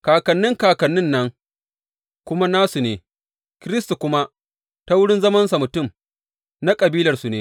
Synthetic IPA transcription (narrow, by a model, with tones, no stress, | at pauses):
kaː˨kɐ˨nːɪ˦ŋkaː˨kɐ˨nːɪ˦nːɐ˦ŋ | kʷʊ˦ma˦naː˦su˨neː˨ | kʲɪ˦ɾɪ˦sta˨kʷʊ˦ma˦ | ta˦wʊ˦ɽɪ˦nzɐ˦mɐ˦nsa˨mʊ˨tʊ˦˨m | na˦kʼɐ˨biː˦lɐ˨rsu˨neː˦